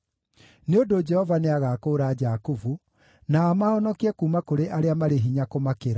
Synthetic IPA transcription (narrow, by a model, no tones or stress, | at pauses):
neodod͡ʒɛhɔvaneaɣakoːɾaːd͡ʒakuvu | naːmaɔnɔkiɛkuːmakoɾeʔaɾeamaɾeɦiɲakomakeɾa